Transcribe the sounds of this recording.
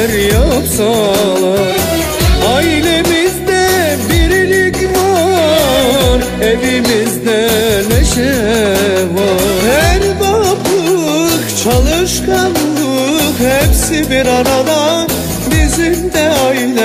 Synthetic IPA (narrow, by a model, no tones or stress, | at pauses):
ɾjapsalˠa | ɑjlʲemizd̪ɛbiɾilicʲva | ɾ | evimizd̪ɛlɛʃɛ | vaɦæɾbapʰɯ | kt͡ʃʰɑlˠɯʃkʰɑn | ɯkhepsibiɾaɾad̪a | bizimd̪ɛajl